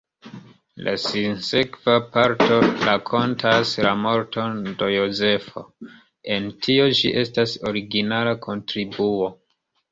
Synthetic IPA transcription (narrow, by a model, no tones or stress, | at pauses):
lʔa̰sinse̞kvapaɾto̞ɾakʰo̞ntʰaslamo̞ɾto̞ndo̞joze̞fo̞̰ | e̞ntʰio̞d͡ʒiʔe̞staso̞ɾiɡinalakʰo̞ntɾibuo̞